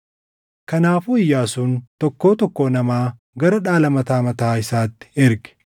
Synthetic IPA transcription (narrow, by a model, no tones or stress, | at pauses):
kɐnaːfuɪjːaːsuːnt̪ɔkːo̞ːt̪ɔkːoːnɐmaː | ɡɐɾɐᶑaːlɐmɐt̪aːmɐt̪ɐːɪsaːt̪ːɪ̥ɪɾɡɛ̥